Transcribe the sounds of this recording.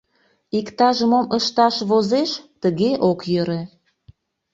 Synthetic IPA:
ikt̪ɑʒəmomʔəʃt̪ɑʃβozeʃt̪əɣeʔokjø̆ɾĕ

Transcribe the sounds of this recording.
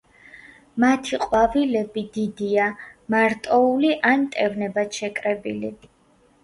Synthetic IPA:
mat̪ʰiqʼwavilɛbid̪id̪iamaɾt̪ʼɔuliʔant̪ʼɛvnɛbat̪ʃɛkʼɾɛbḭli

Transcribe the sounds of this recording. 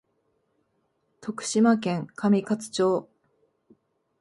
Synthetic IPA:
t̪o̞kɯ̟̥ɕimak̬ẽ̞ŋkʰamʲikat͡sɨ̥t͡ɕo̞ː

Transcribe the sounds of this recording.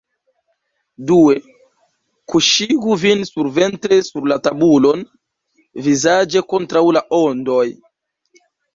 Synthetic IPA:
due̞ | kuʃiɡuvinsuɾve̞ntɾe̞suɾlatabulo̞n | vizad͡ʒe̞ko̞ntɾawlaʔondo̞j

